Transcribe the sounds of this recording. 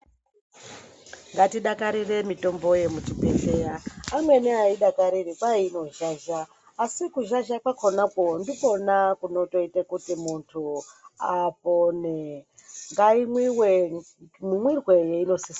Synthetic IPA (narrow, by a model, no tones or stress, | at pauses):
ŋɡatiɗakaɾire̞mito̞mbo̞je̞mutiɓeɡejaːmwe̞niaiɗakaɾirikwaino̞ʒaːʒaː | sikuʒaʒakwakʰonakondiko̞nakuno̞to̞itekutimuntʰuaponeŋɡaimwiwe | mumwirwejeino̞sis